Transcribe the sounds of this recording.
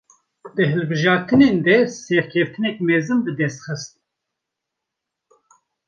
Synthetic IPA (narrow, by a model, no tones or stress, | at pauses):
d̪ɨɦɨlbɨʒɑːɾt̪ɨneːnd̪ɛsɛɾkʰɛft̪ʰɨnɛk̚mɛzɨnbɨd̪ɛst̪xɨst̪̚